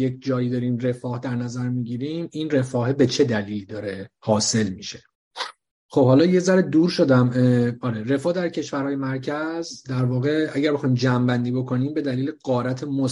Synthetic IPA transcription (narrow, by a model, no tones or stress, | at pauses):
jecd͡ʒɒːjiːd̪ɒːɾiːmre̞fɒːhd̪æɾnæzæɾmiːɟiːɾiminre̞fɒːɦebe̞t͡ʃʰe̞d̪æliːlid̪ɒːɾe̞hɒːse̞lmiʃe̞ | χo̞b̥hɒːlɒːje̞zæɾed̪uːɾʃo̞d̪æmɒːɾere̞fɒːhd̪æɾcʰe̞ʃvæɾhɒːje̞mæɾcʰæzd̪æɾvɒːɣe̞æɟæɾbe̞xɒːjimd͡ʒæmbænd̪iːbo̞kʰo̞niːmbe̞d̪æliːleɢɒːɾæt̪ʰemo